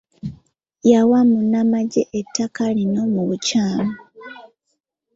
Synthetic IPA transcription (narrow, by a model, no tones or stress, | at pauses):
jawamunːamaɟeʔetʰːakalino̞muβucaːmo